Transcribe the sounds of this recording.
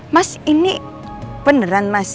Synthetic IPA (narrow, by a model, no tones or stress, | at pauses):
masini | b̥ənəɾanmas